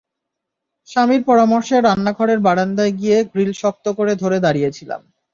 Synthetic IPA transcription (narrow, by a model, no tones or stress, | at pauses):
ʃamiɾpɔɾamɔɾʃeɾanːaɡʱɔɾeɾbaɽand̪aeɡijeɡɾilʃɔk̚t̪okoɾed̪ʱoɾed̪aɾijet͡ɕʰila̰m